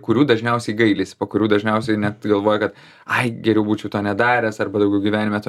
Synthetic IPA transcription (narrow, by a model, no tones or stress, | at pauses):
kʊɾʲuːd̪ɐʒʲnʲɛʊsʲɛɪɡɐɪlʲɪsʲpɐkʊɾʲuːd̪ɐʒʲnʲɛʊsʲɛɪnʲɛt̪ɡɐlˠʋoːjɛkɐt̪ | ɐɪɡʲɛɾʲɛʊbuːt͡ʃʲɛʊt̪oːnʲɛd̪ɑːɾʲɛːsɐrbɐd̪ɐʊɡʲɛʊɡʲiʋʲæːnʲɪmʲɛt̪ː